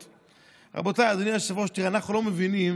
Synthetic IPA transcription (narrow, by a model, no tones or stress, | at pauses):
ʁa̰bot̪ajad̪inimaʃavoʃt̪iʁeanaχnulomevinim